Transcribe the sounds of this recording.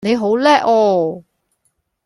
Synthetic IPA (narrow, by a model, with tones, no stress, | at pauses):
ne˨˧jɦo˨˥wlɛː˥ʔɔː˧